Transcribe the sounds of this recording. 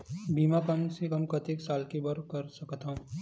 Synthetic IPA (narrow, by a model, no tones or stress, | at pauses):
biːmakɐmsekɐmkɐt̪eksaːlkibɐɾkɐɾsɐkt̪aũː